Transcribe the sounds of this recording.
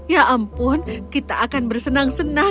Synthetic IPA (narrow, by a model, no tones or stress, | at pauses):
jaʔampʊnkit̪aʔːkanbərsənaŋsəna